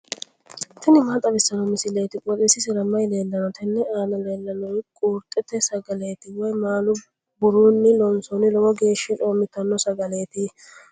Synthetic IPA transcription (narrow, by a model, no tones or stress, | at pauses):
t̪ʰɪnɪmɐt̪ʼɐbɪsːɐnɔmɪsɪle̞ːt̪ɪkʼɔt̪isɪsɪɾɐmːɐjle̞ːlːɐnɔt̪ʰɛnːɛaːnɐle̞ːlːɐnɔjkʼuːɾt̪ʼːɛt̪ːɛsɐɡɐle̞ːt̪ɪwɔjmaːlʊ | bʊɾuːnːɪlɔnsɔnɪlɔwɔɡe̞ːʃːɛtʼoːmɪt̪ːɐnːɔsɐɡɐle̞ːt̪ɪ